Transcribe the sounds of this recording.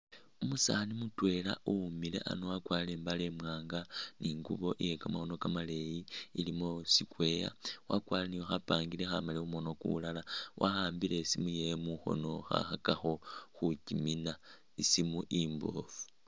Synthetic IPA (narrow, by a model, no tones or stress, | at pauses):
umusanimutwe̞la̰umile̞̰ʔa̰nowakwaːlembale̞mwaːŋɡaniːŋɡuβo̞ʔije̞kamaxo̞no̞kamale̞jiilimosikwe̞ja̰wakwaːlenijoxapaːŋɡile̞xa̰maleumo̞no̞kṵlalawʔaxaːmbile̞simuje̞muxo̞̰no̞xa̰xakaxo̞xucimina | isimuʔimbo̞̰fu̥